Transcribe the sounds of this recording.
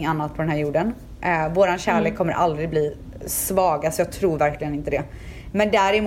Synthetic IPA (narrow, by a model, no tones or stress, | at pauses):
ŋanːat̪̚pʰɔd̪ɛnɦæɾjuːɖən | ʔvoːɾanɕæːɭeːkʰːɔmːəɾʔa̰ld̪ɾɪɡ̚bliː | svɑːɡasɔjɑːɡ̚t̪ʰɾuːɾvæɾklɪɡənɪnt̪əd̪ɛ | mɛnd̪æɾɪm